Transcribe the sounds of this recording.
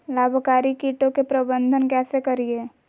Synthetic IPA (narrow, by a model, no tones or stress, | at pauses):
laːbʱkaːɾikiːʈõkepɾɐbə̃nd̪ʱənkɛːsekəɾieː